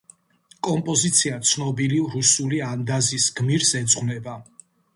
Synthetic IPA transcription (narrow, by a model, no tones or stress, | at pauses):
kʼɔmpʼɔzit̪sʰiat̪sʰnɔbiliɾusuliand̪azisɡmiɾsɛd̪zʁnɛba